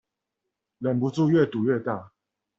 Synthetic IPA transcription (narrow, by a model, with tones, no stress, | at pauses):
lə˨npu˨˦t͡su˥˧ɥɛ˥˨t̪u˨˩ɥɛ˥˧t̪a˥˨